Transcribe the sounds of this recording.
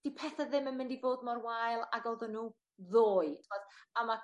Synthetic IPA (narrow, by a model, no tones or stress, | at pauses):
tʰipʰɛθaðɪmənmɪndivoːd̚mɔrwajlˠaɡɔlˠðɔnuː | ðoːɨtʰɪmɔdama